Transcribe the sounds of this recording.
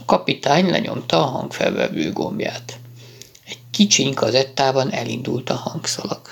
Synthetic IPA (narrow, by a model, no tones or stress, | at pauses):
ɒkɒpit̪aːɲlɛ̰ɲo̞mt̪ɒːɦɒŋkfɛlvɛ̰vøːɡo̞mjaːt̪ | ɛckit͡ʃiŋkɒzɛt̪ːaːbɒnɛlind̪ult̪ɒhɒŋksɒlɒk